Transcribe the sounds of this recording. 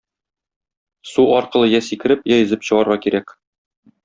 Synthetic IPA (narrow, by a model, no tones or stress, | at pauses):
suɒɾqɤ̆lˠɤjæsikɘ̆ɾɘpjɒjɘ̆zɘpɕɤ̆ʁɑɾʁɑkiɾæk